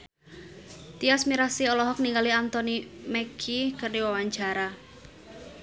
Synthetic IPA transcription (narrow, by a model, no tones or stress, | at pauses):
t̪iasmiɾasiɔlɔɦɔk̚niŋɡaliant̪ɔnimɛkʰikərniwawaɲt͡ʃaɾa